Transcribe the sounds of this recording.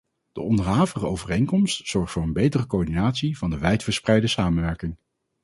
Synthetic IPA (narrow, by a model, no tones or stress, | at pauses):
d̥ə̰ʔɔndəɹɦaːvərəowvərejŋkɔmstsɔɹχtfʊːɹənbejtərəkoɔɹdinaːtsivɑndəʋɛjtfəɹsprɛjdəsaːmənʋɛɹkɪŋ